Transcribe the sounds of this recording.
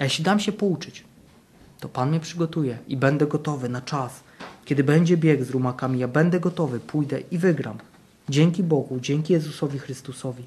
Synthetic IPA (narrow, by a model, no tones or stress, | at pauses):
ajɛɕlʲid̪amɕɛpɔut͡ʂɘt͡ɕ | t̪ɔpanmʲɲɛpʂɘɡɔt̪ujɛibɛnd̪ɛɡɔt̪ɔvɘnat͡ʂas | kʲɛd̪ɘbɛɲd͡ʑɛbʲjɛɡzɾumakamʲijabɛnd̪ɛɡɔt̪ɔvɘpʰujd̪ɛʔivɘɡɾa̰m | d͡ʑɛŋkʲibɔɡud͡ʑɛŋkʲijɛzusɔvʲixɾɘst̪usɔvʲi